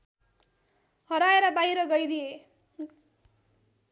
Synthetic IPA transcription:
hʌɾaeɾʌbaɦiɾʌɡʌjd̪ije

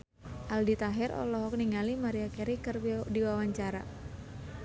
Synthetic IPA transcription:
ʔaldit̪aɦɛɾʔɔ̰lɔɦɔk̚niŋalimaɾiakɛɾikərdiwawaɲt͡ʃaɾa̰

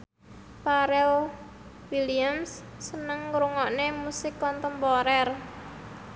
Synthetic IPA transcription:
paɾɛl | wiliamsː | ənəŋɾuŋɔʔnemusɪkːɔnt̪əmbɔɾɛr

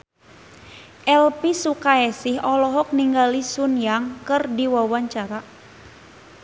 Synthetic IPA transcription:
ʔɛlpisukaɛsɪɦɔlɔɦɔk̚niŋɡalisunjaŋkɨrdiwawaɲt͡ʃaɾa

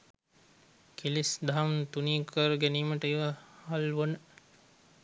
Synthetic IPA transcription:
kʰilisd̪aamnt̪uniːkʰəɾɡæniːməʈəiʋahalʋənə

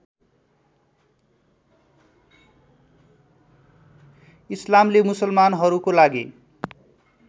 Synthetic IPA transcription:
islamlemusʌlmanɦʌɾukolaɡḭ

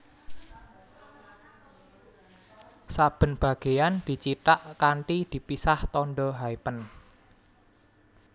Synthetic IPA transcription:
sab̥ə̤nb̥a̤ɡ̥e̤jand̪̥i̤t͡ʃiʈ̪aʔkaɳʈid̪̥i̤pisaht̪ɔɳɖɔɦaipən

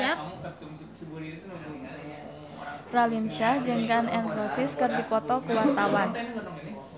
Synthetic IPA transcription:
ralinʃahd͡ʒɨŋkanɛnrɔsɪskɨrdipɔt̪ɔkuwart̪awan

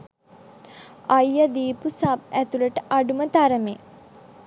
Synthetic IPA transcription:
ajəd̪iːpusabæt̪uləʈəʔaɖumət̪aɾəme

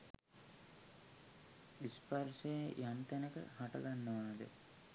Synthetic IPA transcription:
isparsejjʔant̪ænəkə̰haʈɐɡanːəʋaːd̪ə̰

